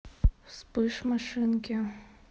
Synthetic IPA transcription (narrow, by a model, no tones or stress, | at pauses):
spɨʂmaʂɨnkʲɪ